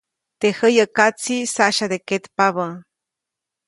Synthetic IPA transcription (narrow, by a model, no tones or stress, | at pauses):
t̪ehəjəkat͡sisaʔʃad̪eket̪paβə